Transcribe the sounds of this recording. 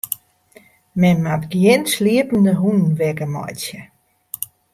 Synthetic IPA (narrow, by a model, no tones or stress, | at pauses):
mɛnmatɡjɪnsliəpn̩dəɦunnʋɛkəmɔ̰jtjə